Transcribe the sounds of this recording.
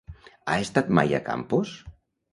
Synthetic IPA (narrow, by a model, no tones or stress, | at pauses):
aest̪at̪ma̰jə̰ka̰mpus